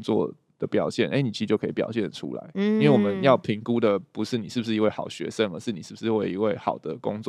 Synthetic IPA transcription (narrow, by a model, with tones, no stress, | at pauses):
t͡swɔ̰˥˨ | d̪̥ə˩pjɑ˨˩ʊɕjɛ˥˩nʔe˥ɪni˨˩i˧t͡ɕjkʰpjɑ̰˨˩ʊɕjɛ˥˩nʈ͡ʂʰṵ˥la̰˧˦ɪi˦nwe˥˩wɔ˨˩mə˦njɑ˥˩ʊpʰi˧˥ŋku˦d̪ə˨pu˧˦ʂɻ̩˥˩ni˨˩ʂɻ̩˥˩bu˩ʂ̬ɻ̩˥˩i˧˥we˥˩ɪxɑ˨˩ʊɕɥɛ̰˧˥ʂə˦ŋə̰˞˧˦ʂɻ̩˥˩ni˨˩ʂ̩ɻ̩˥˩bu˩ʂɻ̩˥˧we˥˩i˧˥we˥˩ɪxɑ˨˩ʊd̪ə˩kʊ˦˥ŋt͡swɔ˥˨